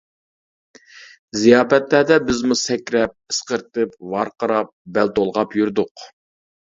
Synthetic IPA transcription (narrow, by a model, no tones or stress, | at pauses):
zijɑːpɛt̪læd̪ɛbɪzmusɛkʲɾɛp̚ɪ̥sqəɾt̪ɨp̚vɑɾqəɾɑp̚bɛlt̪olˠʁɑpjuɾd̪ʊq